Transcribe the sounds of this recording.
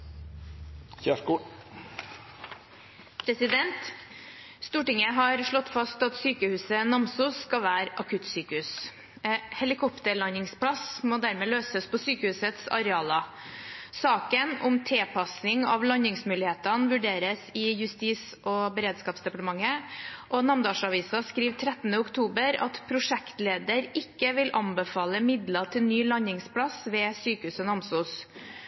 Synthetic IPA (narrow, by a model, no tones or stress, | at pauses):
çæ | pʰɾɛsɪd̪ɛnt̪ | st̪uːʈɪŋəɦɑɾʂɭɔt̪ːfɑst̪ɑt̪syːkəhʉːsənɑmsʊsːkɑʋæːɾɑkʰʉt̪syːkəhʉːs | hɛlɪkʰɔpt̪əɭɑnɪŋspʰlɑsmoːd̪æɾmɛːløːsəspʰɔsyːkəhʉːsət̪sɑ̰ɾɛɑːlɑ | sɑːkənʊmt̪ʰɛːpʰɑsɪŋɑ̰ʋlɑnɪŋsmʉːlɪheːt̪ɑnʋʉɖeːɾəsɪjʉst̪iːs | ɔbəɾeːd̪skɑːpsd̪ɛpɑʈəmɑŋːəʔɔnɑmd̪ɑːʂɑʋiːsɑskɾiːʋt̪ʰɾɛt̪ːnəʊkt̪ʰuːbəɾɑ̰t̪pʰɾʊʂɛkt̪leːd̪əɾɪkːəʋɪlʔɑnbəfɑːləmɪd̪lɑt̪ʰɪlnyːlɑnɪŋspʰɽɑsʋɛːsyːkəhʉːsɔnɑmsuːs